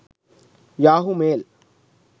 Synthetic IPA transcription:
jaːɦumeːl

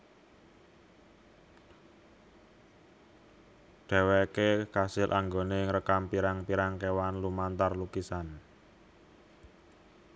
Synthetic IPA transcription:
ɖ̥ɛ̤wɛkekasɪlʔaŋɡoneŋɾəkampiɾaŋpiɾaŋkewanlumant̪arlukisan

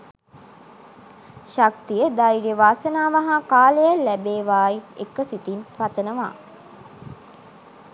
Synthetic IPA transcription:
ʃak̚t̪ijəd̪aiɾeʋaːsənaːʋaɦakaːləjalːæbeːʋaːiekːəsit̪inprat̪ənəʋa̰ː

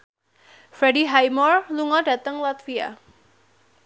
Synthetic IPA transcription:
fɾɛdiɦajmɔrluŋɔda̤t̪əŋlat̪fia̰

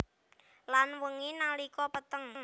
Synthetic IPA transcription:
lanwəŋinalikɔpət̪əŋŋ

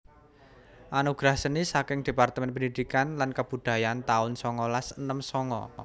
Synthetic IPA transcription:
ʔanuɡ̥ɾahsənisakɪŋd̪̥e̤part̪əmɛnpəndid̪̥ikanlankəb̥ṳd̪̥ä̤jant̪aʊnsɔŋɔlasənəmsɔŋɔ̰

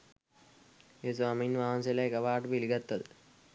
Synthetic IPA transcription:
eːsʋaːminʋaɦanselaekɐʋaːʈəpiliɡat̪ːʋɐd̪ə

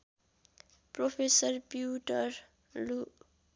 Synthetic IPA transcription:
pɾopʰesəɾpjuʈəɾ | lu

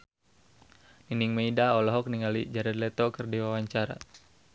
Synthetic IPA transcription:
niniŋmeidaɔlɔɦɔk̚niŋalid͡ʒaɾɛd̪lɛt̪ɔkɨrdiwawaɲt͡ʃaɾa̰

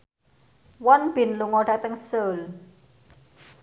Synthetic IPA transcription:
wɔnb̥ɪ̤nluŋɔɖa̤t̪əŋsəl

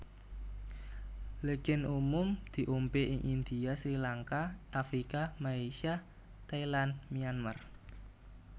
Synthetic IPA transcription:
lekɪnʔumʊmd̪̥i̤ʔompeʔɪŋʔind̪̥i̤asɾilaŋkaʔafɾikamalesia | t̪ailanmijanmar

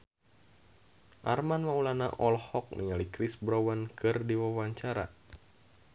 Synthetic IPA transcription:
ʔarmanmaulana̰ʔɔlhɔk̚nḭŋalikɾisbɾawankɨrdiwawaɲt͡ʃaɾa̰

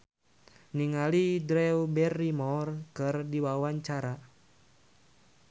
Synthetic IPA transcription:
niŋalidɾɛwubɛrːimɔrkɨrdiwawaɲt͡ʃaɾa

